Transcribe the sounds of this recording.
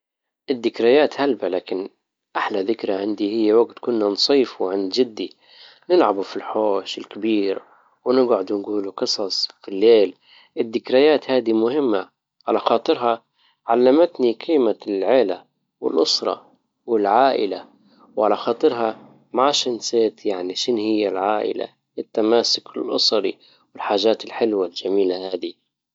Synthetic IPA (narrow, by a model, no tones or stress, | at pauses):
ʔɪd̪ːɪkɾajaːt̪halbalaːkɪn | ʔaħlaðɪkɾaʕɪnd̪ihɪjːawaɡt̪kʊnːansˤiːfwɪʕɪnd̪d͡ʒɪd̪ːi | nɪlʕabufilħoːʃɪlkabiːɾ | wnɪɡʕʊd̪nɡuːluqɨsˤɑsˤfilːeːl | ʔɪd̪ːɪkɾajaːt̪haːd̪imʊhɪmːa | ʕalaxɑːt̪ˤɨɾɦɑ | ʕalːamat̪niqʰiːmalʕeːla | wɪ̰lʔʊsɾˤɑ̰ | wɪlʕaːʔɪ̰la | wʕalaxɑːt̪ˤɨɾɦɑ | maʃanseːt̪jaʕniʃɪnhɪjːalʕaːʔɪ̰la̰ | ɪt̪ːamaːsʊkɪlʔʊsˤɑɾi | wɪlħaːʒaːt̪ɪlħɪlwald͡ʒamiːlahaːd̪i